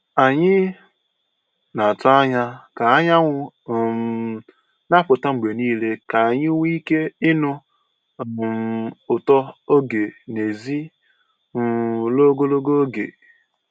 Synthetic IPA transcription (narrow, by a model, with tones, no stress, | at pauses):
a˨ɲɪ˦ | na˨a˨tʊ˦a˦ɲa˦ka˨a˦ɲa˦ŋʷʊ˦˨ | na˦pʊ˨ta˦ŋ͡m̩˨ɡ͡be˨niː˦le˦ka˨a˨ɲɪ˦wʷi˦ke˦ɪ˦nʊ˦˨ | ʊ˨tɔ˦o˦ɡe˨ne˨zi˦˨ | lo˦ɡo˦lo˦ɡo˦o˦ɡḛ˨